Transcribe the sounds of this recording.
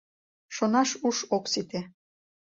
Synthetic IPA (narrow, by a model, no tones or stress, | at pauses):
ʃonɑʃuʃoksit̪e